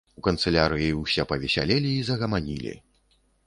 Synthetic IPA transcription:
ukɐnt̪sɛlʲaɾɨjiwsʲɛpɐvʲɛsʲa̰lʲelʲiːzɐɣɐmanʲḭlʲḭ

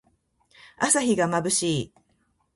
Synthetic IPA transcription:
asaçiɡamabɯ̟ɕiː

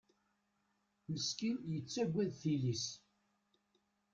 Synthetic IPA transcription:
nəskinjət͡sːæɡʷːæðθilis

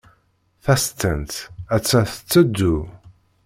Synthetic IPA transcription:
θæst̪ːənt̪æt͡sːæθə̥t͡sːəd̪ːu

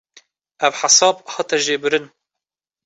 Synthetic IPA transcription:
ʔævħasɑːbhɑt̪ʰɛʒeːbɨɾɨn

